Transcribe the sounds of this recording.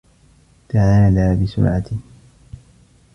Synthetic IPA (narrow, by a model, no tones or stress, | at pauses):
t̪aʕaːlaːbɪsʊ̰ɾʕat̪ɪ